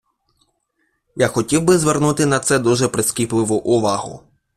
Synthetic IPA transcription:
jaxɔtʲiwbɪzʋernut̪ɪnɐt̪sɛd̪uʒɛpɾɪskʲiplˠɪʋʊʔʊʋɑɦʊ̰

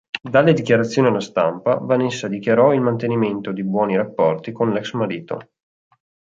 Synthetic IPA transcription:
d̪alːed̪ikjaɾat̪sːjoːnialːast̪ampavanesːad̪ikjaɾɔilmant̪eniment̪od̪ibwɔːniɾapːɔrt̪ikonlɛksmaɾiːt̪o̰

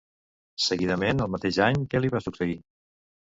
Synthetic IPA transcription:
səɣiðəmenəlˠmət̪eʒaɲkɛliβasuksəi

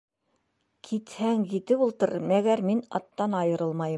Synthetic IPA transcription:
kʰit̪hæŋjit̪ɘpulˠt̪ɤ̆ɾɤmæɡæɾminɑt̪ːɑnɑjɤ̆ɾɤlˠmɑjɤ

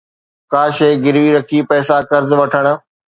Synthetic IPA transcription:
kaːʃeːɡɪɾʋiɾɐkʰipɛːsakɐɾzʋɐʈʰəɽ̃̆

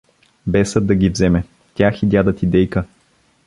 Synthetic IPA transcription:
bɛsəd̪ɐɡʲivzɛmɛ | t̪ʲaxid̪ʲjad̪ət̪id̪ɛjkə

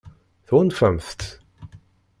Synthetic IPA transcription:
θnfæmθt̪

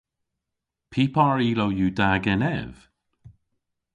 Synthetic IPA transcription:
pʰiːpʰɑɹiːlowjuːdaɡɛnɛ̰v̥

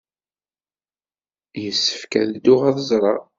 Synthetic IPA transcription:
jəsːə̥fkæ̰ðd̪ːʊʁaðəzˤɾˤɑ

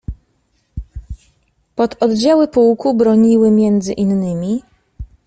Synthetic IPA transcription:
pɔt̪ɔd̪d͡ʑawɘpuwkubɾɔɲiwɘmʲjɛnd̪zɘʔinːɘmʲi

